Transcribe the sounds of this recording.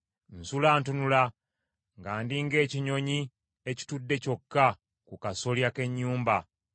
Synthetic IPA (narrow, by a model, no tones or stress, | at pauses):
n̩sulaːntunula | ŋɡaːndiŋɡe̞ːciɲo̞ɲi | eci̥tudːe̞co̞kːa | kukaso̞ljake̞ɲːuːmba